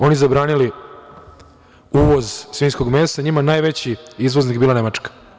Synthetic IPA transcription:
o̞nizabɾaːnili | uːʋo̞zsʋiːnsko̞ɡme̞ːst̪aɲimanaːjʋe̞t͡ɕiizʋo̞znikbiːlane̞mat͡ʃkḁ

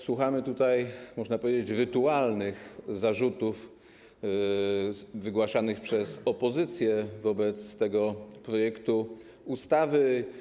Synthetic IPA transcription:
swuxamɘt̪ut̪ajmɔʐnapɔvʲjed͡ʑet͡ɕɾɘt̪ualnɘxzaʐut̪uf | vɘɡwaʂanɘxpʂɛzɔpɔzɘt̪sʲjɛvɔbɛt̪st̪ɛɡɔpɾɔjɛkt̪u | ust̪avɘ

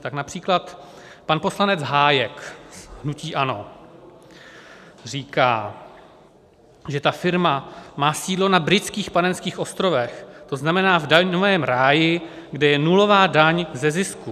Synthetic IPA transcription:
t̪aknapr̝̥iːklat̪ | panpo̞slanɛd͡zɦaːjɛkɦnuciːʔano̞̰ | r̝iːka̰ː | ʒɛt̪afɪɾmamaːsiːdlo̞nabɾɪt͡skiːxpanɛnskiːxʔo̞st̪ɾo̞vɛxt̪o̞znamɛnaːvdaɲovɛːmɾaːjɪɡdɛjɛnulo̞vaːdaɲzɛzɪsku

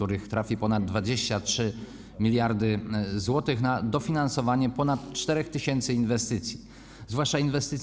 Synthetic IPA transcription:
uɾɘxt̪ɾafʲipɔnad̪̚ːvad͡ʑeɕt͡ɕatʂɘ | mʲilʲjaɾd̪ɘzwɔt̪ɘxnad̪ɔfʲinansɔvaɲɛpɔnat̪t͡ʂt̪ɛɾɛxt̪ɘɕɛnt̪sɘinvɛst̪ɘt̪sʲji | zvwaʂt͡ʂainvɛst̪ɘt̪

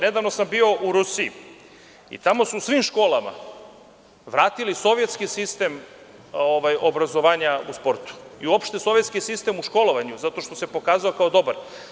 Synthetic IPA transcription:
ne̞d̪aʋnosambio̞ʔuɾusiḭ | ḭt̪amo̞susʋimʃko̞ːlama̰ | ʋɾaːt̪iliso̞ʋje̞t̪skisist̪e̞m | oʋajobɾazo̞ʋaːɲauspo̞ɾt̪u̥iuopʃt̪eso̞ʋje̞t̪skisist̪e̞muʃko̞lo̞ʋaɲuzat̪o̞ʃt̪o̞sepo̞kaːzaokaod̪o̞baɾ

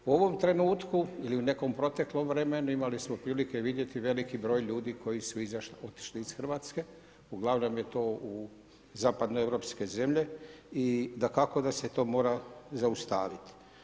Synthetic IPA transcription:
uo̞ʋo̞mt̪ɾe̞nuːt̪kuiliune̞ko̞mpɾo̞t̪e̞klo̞mʋɾemenuimalismopɾiːlikeʋid̪je̞t̪iʋe̞likibɾo̞ːjʎuːd̪iko̞jisuizaʃo̞t̪i̥ʃliːsxr̩ʋaːt̪ske̞ | uɡlˠaʋno̞mje̞t̪oːu | zaːpad̪noevɾo̞ːpske̞ze̞mʎe̞id̪akako̞d̪aset̪o̞ːmo̞ːɾazaust̪a̰ːʋit̪i̥

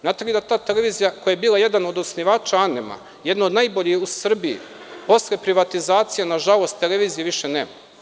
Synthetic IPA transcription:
naːt̪elid̪at̪aːt̪ele̞ʋiːzijakojajebiːlˠaje̞d̪ano̞d̪osniʋaːt͡ʃaanema̰ | jed̪nood̪najboʎixusr̩bijḭ | po̞slepɾiʋat̪izaːt̪sijenaʒalˠo̞st̪ːe̞leʋiːzijeʋiʃeneːma

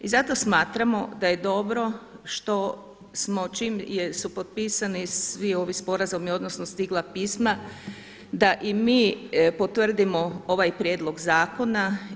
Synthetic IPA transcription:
izat̪o̞smaːt̪ɾamo̞d̪aje̞d̪o̞bɾo̞ʃt̪o̞ | smo̞t͡ʃiːmjesupo̞t̪̚piːsanisʋio̞ʋispo̞ɾazomio̞d̪nosnost̪iɡlˠapiːsma | d̪aʔimiːpo̞t̪ʋr̩d̪imoo̞ʋajpɾjeːd̪lˠo̞ɡzaːko̞na

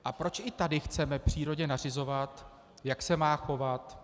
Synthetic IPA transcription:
ʔapɾo̞t͡ʃʔɪt̪adɪxt͡sɛmɛpr̝̥iːɾo̞ɟɲɛnar̝ɪzo̞vat̪ | jaksɛmaːxo̞vat̪

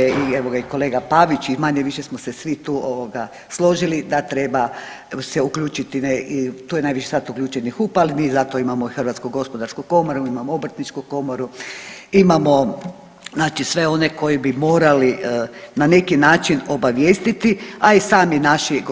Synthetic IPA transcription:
eieʋoɡaiko̞leːɡapaʋit͡ʃimaɲeʋiʃesmosesʋit̪uːoʋoɡa | slˠo̞ʒilid̪at̪ɾe̞ba | seukʎʲuːt͡ʃit̪ineit̪uːjenajʋiʃi̥sat̪ukʎʲuːt͡ʃenixupalmizat̪oimamo̞ixərʋat̪skuɡo̞spod̪aɾskuko̞moɾuimamoobr̩t̪nit͡ʃkuko̞moɾuimamo̞ | znaːt͡ʃisʋe̞o̞neko̞jibimo̞ːɾalinane̞kinaːt͡ʃino̞baʋjeːst̪it̪iaisaːminaʃiɡ

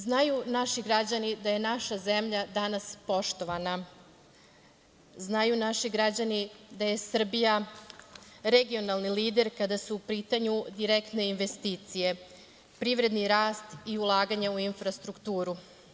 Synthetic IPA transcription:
znajunaʃiɡɾad͡ʑanid̪aje̞naʃazemʎad̪anaspo̞ʃt̪o̞ʋana | znajunaʃiɡɾad͡ʑanid̪aje̞sr̩bija | ɾe̞ɡio̞nalˠniliːd̪e̞ɾkad̪asuːpiːt̪aɲud̪iɾekt̪ne̞inʋe̞st̪iːt̪sije̞ | pɾiʋɾe̞d̪niɾaːst̪iulˠaːɡaɲauinfɾast̪ɾukt̪uːɾu

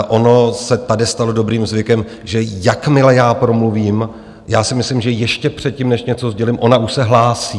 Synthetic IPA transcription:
ʔo̞no̞sɛt̪adɪst̪alo̞do̞bɾiːmzvɪkɛm | ʒɛjakmɪlɛjaːpɾo̞mluviːm | jaːsɪmɪslɪmʒɛjɛʃcɛpr̝̥ɛt̪̚cimnɛʃɲɛt͡so̞zɟɛlɪmʔo̞naʔuʃsɛɦlaːsiː

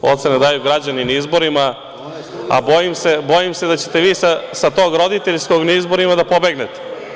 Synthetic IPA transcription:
o̞t̪senad̪aːjuɡɾad͡ʑaninaizbo̞ɾima | a̰bo̞jimsebo̞jimse̞d̪at͡ɕet̪e̞ʋiːsasat̪o̞ːɡɾo̞d̪it̪eʎsko̞ɡnaizbo̞ɾimad̪apo̞be̞ɡnet̪e̥

